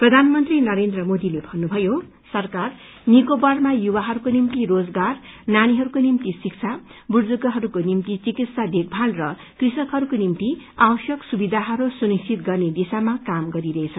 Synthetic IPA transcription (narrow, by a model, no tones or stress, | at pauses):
prʌd̪ʱanmʌnt̪rinʌɾend̪rʌmod̪ilebʱʌnːubʱʌjo | sʌrkar | nikobʌrmajuwaɦʌɾukonimt̪irod͡zɡarnañiɦʌɾukonimt̪isik̚t͡sʰa | burd͡zuɡʌɦʌɾukonimt̪it͡sikit̪sad̪ek̚bʱalrʌ | krisʌkɦʌɾukonimt̪iabʌsjʌksubid̪ʱaɦʌɾusunist͡sʰit̪ɡʌrned̪isamakamɡʌɾiɾʌɦet͡sʰʌ